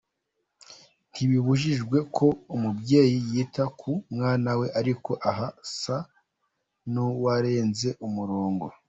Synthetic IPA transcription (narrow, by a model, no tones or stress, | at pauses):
n̥hiβiβuʒiʒɡwe̞kʰo̞umubje̞ːjijiːtakʰumŋaːnawe̞ʔaɾiko̞ʔaɦasa | nuwaɾe̞ːnze̞ʔumuɾoːŋɡo̞